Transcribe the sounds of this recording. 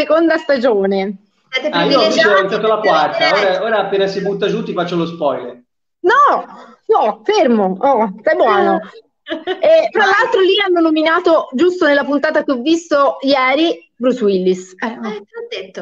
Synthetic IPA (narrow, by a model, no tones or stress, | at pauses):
sekond̪ast̪ad͡ʒoːne | at̪eiːsant̪at̪ːolakwart̪aoːɾaoːɾaːpːeːnasibut̪ːad͡ʒut̪ːifat͡ʃːolospɔjlḛɾ | nɔ | ɔfermoɔst̪ajbwɔːno | ɛt̪ɾalːalt̪ɾolianːonominaːt̪od͡ʒust̪onelːapunt̪aːt̪ak̟eɔvːist̪ojɛːɾi | bɾuswilːisɛɔd̪et̪ːo